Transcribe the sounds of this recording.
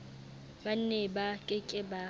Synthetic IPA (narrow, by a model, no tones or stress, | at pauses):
ban̩nɛbakʼɪkʼɪba